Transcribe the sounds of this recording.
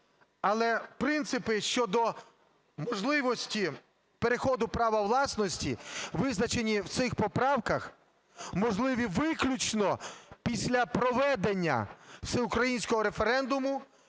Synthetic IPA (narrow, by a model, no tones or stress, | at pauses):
ɐlˠɛpɾɪnt̪sɪpɪʃt͡ʃɔd̪ɔ | mɔʒlˠɪʋɔsʲtʲi | pe̞ɾexɔd̪ʊpɾɑʋɐwlˠɑsnɔsʲtʲiʋɪznɐt͡ʃe̞nʲiwt̪sɪxpɔpɾɑwkɐx | mɔʒlˠɪʋʲiʋɪklʲut͡ʃnɔpʲisʲlʲɐpɾɔʋɛd̪enʲːɐ̰sɛʊkɾɐjinʲsʲkɔɦɔɾe̞fe̞ɾɛnd̪ʊmʊ